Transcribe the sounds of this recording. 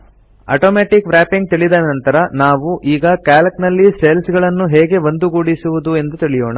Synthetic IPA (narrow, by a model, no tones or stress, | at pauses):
ɐ̰ːʈoːmeːʈikʋɾæːpiŋɡ̚t̪iɭid̪ɐnɐnt̪ɐɾɐnaːʋuʔiːɡɐkaːlɐknɐlːiselsɡɐɭɐnːuɦɛːɡe̞ʋɐnd̪uɡuːɽisuʋud̪ue̞nd̪ut̪iɭijɔːɳa